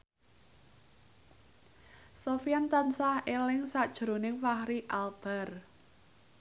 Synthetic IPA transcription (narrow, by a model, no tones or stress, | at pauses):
sofijant̪ansahelɪŋsad̥ʒ̥ɾo̤nɪŋfahɾiʔalb̥a̤r